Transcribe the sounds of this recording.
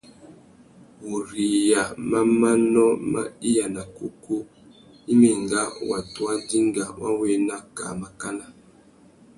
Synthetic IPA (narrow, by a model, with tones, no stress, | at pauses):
wo˨ɾi˨ja˨ma˦ma˦nɔ˦ma̰˦i˦ja˨na˨ku˦ku˦ | i˦me˨ŋɡa˦wa˨twa˦di˦ŋɡa˨wa˦we˦na˦ka̰˨ma˨ka˦na˦˨